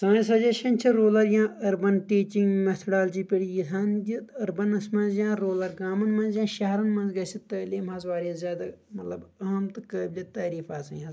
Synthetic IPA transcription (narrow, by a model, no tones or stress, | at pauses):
sɐ̃ːsɐd͡ʒɐʃɐnt͡ʃʰiɾoːlɐɾjãːʔɐɾbɐnʈiːt͡ʃĩŋɡmet̪ʰoɽaːld͡ʒiːpʲeɽijit̪ʰaːnjiɐɾbɐnɐsmɐ̃nzjãːɾoːlɐɾɡaːmɐnmɐ̃nzjãːʃɐɦɐɾɐnmɐ̃nzɡɐsit̪ɐːleːmɦɐzʋaːɾɐzʲjaːd̪amɐt̪lɐbɐɦɐmt̪ɨkaːbʲlʲɐt̪aːɾiːfaːsɐjɦɐz